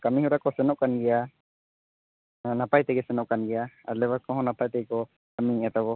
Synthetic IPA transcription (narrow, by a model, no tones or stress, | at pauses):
kamiɦuɾakɔsɛnɔʔkanɡɛja | napajt̪ɛɡɛsɛnɔʔkanɡɛjaalɛwakɔ̃ɦɔ̃napajt̪ɛɡkɔ | kamiat̪aβɔ